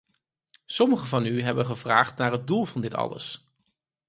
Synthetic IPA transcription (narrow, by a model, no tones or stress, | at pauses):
sɔməχəvɑnyɦɛbənχəvra̰ːχtnaːɹɦəd̚dulˠvɑndɪtɑ̰lə̰s